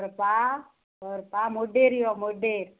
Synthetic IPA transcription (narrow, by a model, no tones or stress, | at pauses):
ɾpa | ɔɾpamoɖeɾijɔmoɖeɾ